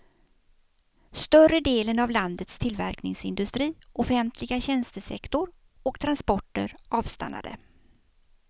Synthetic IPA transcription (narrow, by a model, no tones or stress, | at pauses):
st̪œrəd̪eːlənavland̪ət̪st̪ʰɪlvæɾknɪŋsɪnd̪ɵst̪ɾiːʔɔfɛnt̪ʰlɪɡaɕɛnst̪əsɛ̰kt̪ʊɾ | ɔkt̪ʰɾanspɔʈːə̰ɾɑːvst̪a̰nːa̰d̪ə̰